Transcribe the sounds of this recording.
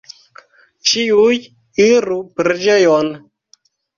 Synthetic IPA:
t͡ʃiuj | iɾupɾed͡ʒejon

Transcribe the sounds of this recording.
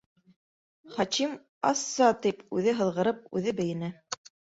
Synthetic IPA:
χɑtim | ɑsːɑt̪ipʉðɘɦɤ̆lˠʁɤ̆ɾɤp̚ʉ̰ðɘbɘ̆jɘ̆næ

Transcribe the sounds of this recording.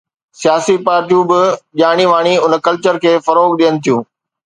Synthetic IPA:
sijaːsipaːɾt̪jũbɪʄaːɽ̃iʋaːɽ̃iʊnəkɐlt͡ɕəɾkʰeːfɐɾoːɡɗijənɪ̆t̪ʰijũː

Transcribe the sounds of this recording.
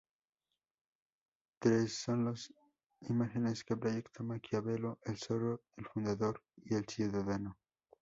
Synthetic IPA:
t̪ɾesːo̞nlos | imaxeneskepɾoʝekt̪ʰamakiaβe̞loʔelsoroelfund̪aðo̞ɾ | ie̞lsjuðaðano

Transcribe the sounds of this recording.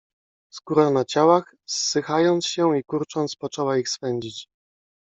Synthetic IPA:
skuɾanat͡ɕawax | sːɘxajɔnt̪sɕɛ̃ikuɾt͡ʂɔnt̪spɔt͡ʂɛwaixspɛɲd͡ʑit͡ɕ

